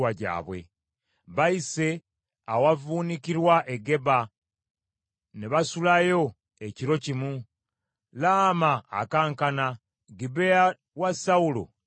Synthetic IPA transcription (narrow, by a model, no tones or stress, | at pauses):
waɟa̰ːβwe̞̰ | βaise̞ | awavuːnikiɾwaʔe̞ɡe̞ba | neβasulajo̞ | e̞ciɾo̞cimu | laːma̰ːkaːŋkana | ɡibea | wasaulo̰